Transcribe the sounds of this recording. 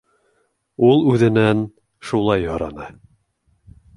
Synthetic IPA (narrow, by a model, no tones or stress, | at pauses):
ulˠʉðɘ̆næn | ʃulˠɑjhŏɾɑnɤ